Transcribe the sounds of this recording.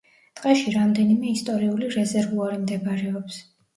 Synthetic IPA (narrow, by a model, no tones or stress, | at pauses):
d̪̥ʼqʼɛʃiɾamd̪ɛnimɛist̪ʼɔɾiuliɾɛzɛɾvuaɾimd̪ɛbaɾɛɔps